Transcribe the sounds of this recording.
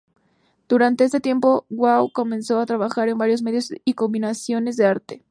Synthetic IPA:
d̪̥uɾant̪e̞est̪e̞t̪je̞mpowwawko̞mẽ̞nso̞at̪ɾaβaxaɾe̞mbaɾjo̞zme̞ðjosiko̞mbinasjo̞ne̞zðe̞aɾt̪e̞̥

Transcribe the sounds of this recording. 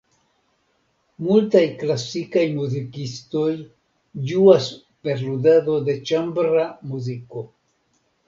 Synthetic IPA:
multajklasikajmuzikisto̞j | d͡ʒuas | pe̞ɾludado̞de̞t͡ʃambɾamuziko̞

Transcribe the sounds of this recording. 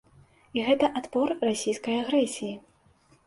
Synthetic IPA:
iɣɛt̪ɐʔat̪pɔrrasʲijskɐjaɣɾɛsʲiji

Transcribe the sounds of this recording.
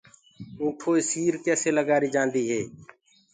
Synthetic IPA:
ũːʈʰoːisiːɾkɛːseːləɡaːɾiːd͡ʒãːnd̪iːɦeː

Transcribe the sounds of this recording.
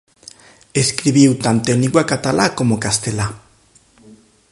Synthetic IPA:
eskɾiβiut̪ant̪enikwakat̪alako̞mokast̪ela

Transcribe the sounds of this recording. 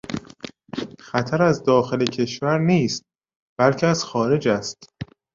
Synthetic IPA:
xæt̪ʰæɾæzd̪ɒːxe̞lecʰe̞ʃvæɾniːst̪̚ | b̥ælcʰeæz̥xɒːɾe̞d͡ʒæst̪

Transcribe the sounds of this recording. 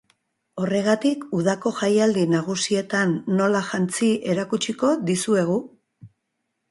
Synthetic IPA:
o̞re̞ɣat̪ikuðako̞ʝajald̪inaɣ̞usie̞t̪anːo̞laʝant͡siʔe̞ɾakut͡ʃiko̞ðisue̞ɣ̞u

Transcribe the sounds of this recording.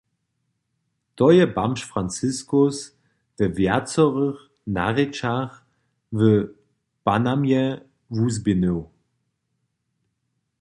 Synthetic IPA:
d̥ɔjəbamʃfʁant͡sɪskʊs | d̥əvɛɐt͡sɔʁəχ | na̰ʁet͡ʃaχ | və | b̥anamjɛ | vuzbino

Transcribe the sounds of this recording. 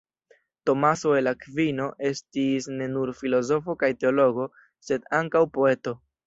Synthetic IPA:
to̞maso̞elakvino̞ʔe̞stisne̞nuɾfilo̞zo̞fo̞kajte̞o̞lo̞ɡo̞ | se̞daŋkawpo̞e̞to̞

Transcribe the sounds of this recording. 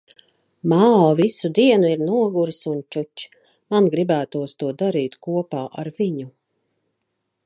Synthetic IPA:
maːɔːvisud̪iɛnuiɾnuɔɡuɾsunt͡ʃut͡ʃ | manɡɾibæːt̪uɔst̪uɔd̪aɾiːt̪kuɔpaːʔaɾviɲu

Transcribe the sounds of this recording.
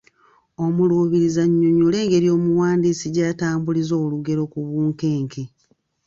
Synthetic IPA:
o̞muluːβiɾizaɲːuɲule̞ːŋɡe̞ɾjo̞ːmuwaːndiːsiɟaːtaːmbulizo̞ːluɡe̞ɾo̞kuβuːŋke̞ːŋke

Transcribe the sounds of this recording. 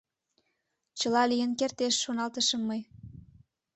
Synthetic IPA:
t͡ɕəlɑlijənkert̪eʃːonɑlt̪əʃəmːəj

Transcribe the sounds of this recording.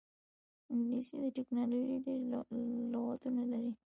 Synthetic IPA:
ɪŋɡlisid̪əʈeknɑloʒiɖeɾloɣat̪unalaɾi

